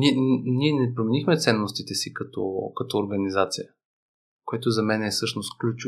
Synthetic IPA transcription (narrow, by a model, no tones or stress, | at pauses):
niɛnniɛnɛpɾomɛnixmɛt̪sɛnːost̪it̪ɛsikɐt̪ɔ̰kɐt̪ɔːɾɡɐnizat̪sijə | koɛt̪ʊzɐmɛnɛːsɤʃnost̪klʲut͡ʃu